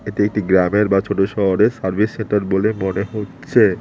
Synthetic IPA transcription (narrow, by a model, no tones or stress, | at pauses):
eʈeek̚ʈiɡɾameɾbat͡ɕʰoʈoʃɔɦoɾeɾsaɾbʱisːeɳʈaɾbolemoneɦotːɕʰe